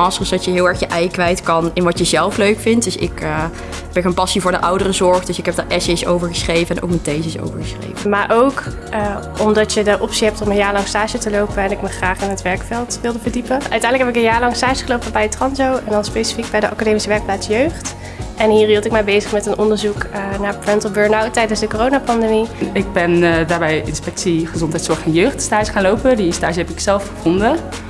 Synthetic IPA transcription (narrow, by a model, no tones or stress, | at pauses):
ɑsrəsdɑtjəɦɪːlˠɛɹxjəʔɛjkʋɛjtkɑnɪnʋɑtjəzɛlˠfløɥkfɪnt̚døsɪ̰k | bɛnxənpɑsivʊːɹdəʔɑwdərəzɔɹχdøsɪkɦɛp̚dəʔɛsəsowvəɹχəsχrejvəɛnʔo̰wkməntejzəso̰wvəɹxəsχrḛjvəmaːɹʔowkː | ɔmdɑtjədəʔɔpsiɦɛp̚tɔmənjaːɹlɑŋstaːʒətəlowpəɛnɪkməχraːχɪnətʋɛɹkfɛlˠtʋɪlˠdəvəɹdipəʔœ̰ɥtɛ̃jndləkɦɛpɪkənjaːɹlɑŋstaːʒəχəlowpəbɛjətrɑnzowɛndɑnspejsi̥fik̚bɛjdəʔɑkadeːmisəʋɛɹk̚plaːtsjøɥχt | ʔɛnɦiːɹɦilˠtɪk̚mɛjbejzəχmɛtənʔɔndəɹzuknaːpɹɛntəlˠbəɹnawt̚ːɛjdənzdəkoːrownapɑndemiɪɡ̚bɛndaːɹbɛjɪ̰nspɛk̚tsiχəzɔntɦɛjtsɔɹχtɔnjøɥχtstaːʒəχaːnlowpədistaːʒəɛpɪksɛlˠfχəvɔndə